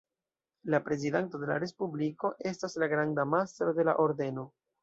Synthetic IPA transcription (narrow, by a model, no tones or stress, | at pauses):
lapɾe̞zidento̞de̞la̰ɾe̞spubliko̞ʔe̞staslaɡɾandamast̪ɾo̞de̞la̰ʔo̞ɾde̞no̞